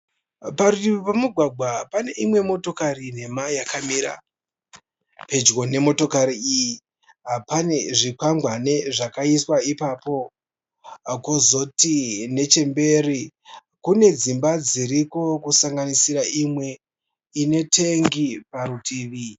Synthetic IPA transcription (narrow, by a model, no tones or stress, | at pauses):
paɾutiʋipamuɡʱwaɡʱwapane̞ʔimwe̞mo̞to̞kaɾine̞majakamiɾa̰ | pe̞d͡ʒɣo̞ne̞mo̞to̞kaɾiiji | apane̞ʐipaŋɡwane̞ʐakaiswaipapo̞ | kozo̞tine̞t͡ʃe̞mbe̞ri | kune̞d͡zimbad͡ziɾiko̞kusaŋɡanisiɾaimwe̞ | ine̞tʰe̞ŋɡipaɾutʰiːʋi